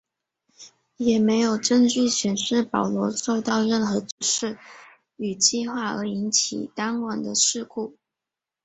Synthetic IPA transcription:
jɛ˨˩me˧˥ɪjo˨˩ʊʈ͡ʂə˥˧ŋt͡ɕy˥˩ɕɥɛ˧˥nʂɻ̩˥˩pɑ˨˩ʊlwɔ˧˥ʂo˥˧ʊt̪ɑ˥˧ʊɻə˥˩nxɤ˧˥ʈ͡ʂu˧˨˩ʂɻ̩˥˩ | y˨˩t͡ɕi˥˧xwa˥˩ə˞˧˥i˧˥nt͡ɕʰḭ˨˩t̪a˥nwa˨˩nd̪ə˦ʂɻ̩˥˧kʰu˥˩

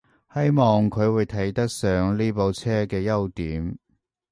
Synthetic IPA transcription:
hɐ˥jmɔː˨ŋkʰɵ˨˧ɥwuː˨˧jt̪ʰɐ˨˥jt̪ɐ˥k̚sœː˨˧ŋliː˥po˨˧wt͡sʰɛː˥kɛː˧jɐ˥wt̪iː˨˥m

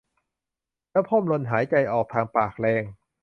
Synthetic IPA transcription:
lɛː˦˥˩pʰo˥˩mlo˧nɦaː˩˦jt͡ɕa˧jʔɔː˨˩k̚t̪ʰaː˧ŋpaː˨˩k̚lɛː˧ŋ

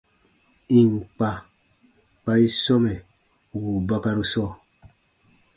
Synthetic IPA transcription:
i˨ŋ˨k͡pa˨ | k͡pa˦i˦sɔ˦mɛ˨ | wu˨ba˦ka˦ɾu˦sɔ˦˨

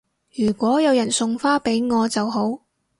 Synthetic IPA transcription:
jyː˨˩kʷɔː˨˥jɐ˨˧wjɐ˨˩nsʊ˨ŋfaː˥pe˨˥jŋɔː˨˧t͡sɐ˨wɦo˨˥w

